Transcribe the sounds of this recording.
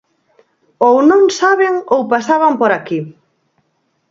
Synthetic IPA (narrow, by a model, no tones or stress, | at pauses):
ownõŋsaβeŋowpasaβampoɾaki